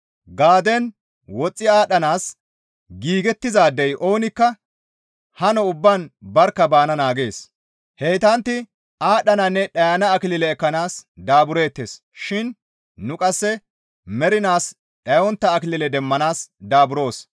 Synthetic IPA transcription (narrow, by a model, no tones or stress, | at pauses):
ɡaːd̪ɛn | wɔt͡sʼːɪaːɗɐnaːs | ɡiːɡɛt̪ːɪzaːd̪ːɛjʔo̞ːnɪkːɐ | hɐnɔʊbːɐnbɐɾkːɐbaːnɐnaːɡe̞ːs | hɛjt̪ɐnt̪ːɪ | aːɗɐnɐnːɛɗɐjɐnɐːkɪlɪlɛːkːɐnaːsd̪aːbʊɾe̞ːt̪ːe̞̰ːs | ʃɪn | nʊkʼɐsːɛ | mɛɾɪnaːs | ɗɐjɔnt̪ːɐːkɪlɪlɛd̪ɛmːɐnaːsd̪aːbʊɾo̞ːs